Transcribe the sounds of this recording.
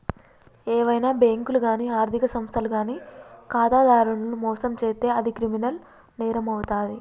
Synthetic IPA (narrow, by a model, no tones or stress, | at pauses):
ɛːʋɐjnaːbeːŋkuluɡaːniːaːɾd̪ʱikɐsɐmst̪ʰɐluɡaːniːkaːt̪aːd̪aːɾuɳɐlumɔːsɐmt͡ʃeːt̪eːɐd̪ikɾiminɐl | nɛːɾɐmɐwt̪aːd̪i